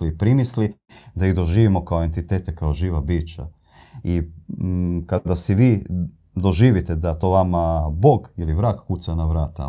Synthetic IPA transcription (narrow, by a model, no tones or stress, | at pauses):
lipɾimisli | d̪aid̪o̞ʒiːʋimo̞kaoe̞nt̪it̪eːt̪ekaoʒiːʋabiːt͡ʃa | i | kad̪asiʋiː | d̪o̞ʒiːʋit̪ed̪at̪oʋamabo̞ːɡiliʋɾaːkkusanaʋɾaːt̪a̰